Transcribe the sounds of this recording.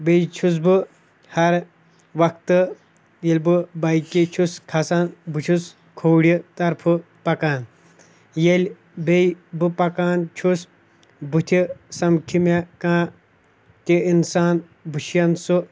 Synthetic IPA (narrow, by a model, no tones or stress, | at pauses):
bejt͡ʃʰus̬bɨ | hɐɾ | ʋɐkt̪ɨ | jelʲbɨbɐjkit͡ʃʰuskʰɐsaːnbɨt͡ʃʰus | kʰoːɽit̪ɐɾpʰɨ | pɐkaːn | jelʲ | bejbɨpɐkaːnt͡ʃʰus | but̪ʰʲisɐmkʰimekãː | t̪ʲiinsaːn | buʃjɐnsu